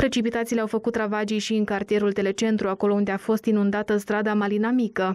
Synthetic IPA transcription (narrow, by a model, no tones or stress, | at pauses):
pɾe̞t͡ʃipit̪at̪sile̞awfəkut̪ːɾavad͡ʒijʃiɨŋkart̪ije̞ɾult̪e̞le̞t͡ʃe̞nt̪ɾuako̞lo̞und̪e̞afo̞st̪inund̪at̪əst̪ɾad̪amalinamikə